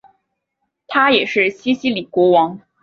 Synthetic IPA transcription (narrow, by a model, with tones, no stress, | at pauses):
t̪ʰa˥jɛ˨˩ʂɻ̩˥˩ɕi˥ɕi˥li˨˩kwɔ˧˥wɑ˧˥ŋ